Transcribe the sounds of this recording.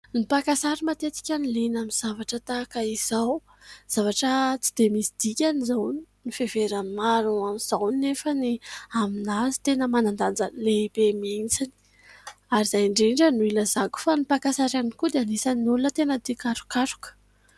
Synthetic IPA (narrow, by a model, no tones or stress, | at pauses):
nipakasaɾimat̪et͡s̪i̥kʲanilinamiz̥avaʈ͡ʂət̪aːkaiz̥aw | z̥avaʈ͡ʂət͡si̥d̪̥emisid̪̥ikʲanizawnifeveɾamimaɾuamiz̥awnnefəniaminazi̥t̪enəmanand̪and͡zanlebemient͡sini̥ | aɾiz̥ajɳɖ͡ʐiɳɖ͡ʐənuiləzaɡu̥fanipakasaɾanikud̪eanisannulunət̪enəd̪ikaʈ͡ʂu̥kaʈ͡ʂu̥kə̥